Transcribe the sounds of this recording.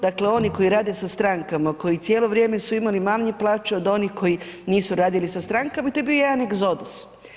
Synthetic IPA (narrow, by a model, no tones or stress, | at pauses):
d̪akle̞o̞niko̞jiɾaːd̪esast̪ɾaŋkamako̞jit̪sjeːlˠo̞ʋɾje̞ːme̞suimalimaːlɲeplˠaːt͡ʃeo̞d̪o̞nihko̞jiniːsuɾaːd̪ilisast̪ɾaŋkamait̪ojebijojed̪aneɡzo̞d̪us